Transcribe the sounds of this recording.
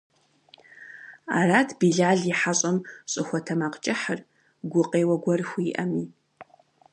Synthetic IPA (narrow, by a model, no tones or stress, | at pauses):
a̰raːtʰbiːɮaːɮiħaɕʼɐmɕʼɪxʷɔtʰɐmaqt͡ʃʼɪħər | ɡʷʊqʼeːwɐɡʷɔrxʷiʔɐmiː